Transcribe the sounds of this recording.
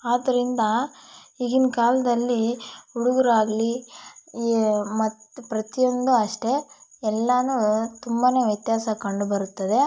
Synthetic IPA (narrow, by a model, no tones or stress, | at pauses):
aːd̪ɐɾind̪ɐiɡinkaːlɐd̪ɐlːiuɽuɡuɾaːɡli | mɐt̪pɾɐt̪ijo̞nd̪uɐʂʈe̞ɛlːɐnut̪umbane̞ːʋjɐt̪jaːsɐkɐɳɖubɐɾut̪ːɐd̪e̞